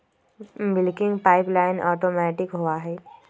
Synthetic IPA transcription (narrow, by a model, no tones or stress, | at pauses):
bɪlkɪ̃ŋɡpaːɪplaːɪnʔɔːʈoːmɛːʈɪkɦoaɦɛː